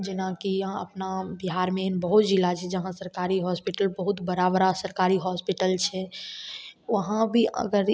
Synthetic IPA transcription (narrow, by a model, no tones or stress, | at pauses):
d͡ʒɪnãkiə̰pnabiɦaɾmenbəɦut̪d͡ʒilat͡ʃʰɛd͡ʒəɦãsəɾkaɾiɦɔspiʈəlbəɦut̪bəɾabɾasəɾkaɾiɦɔspiʈəlt͡ʃʰɛ | ʋəɦãbʱiə̰ɡəɾ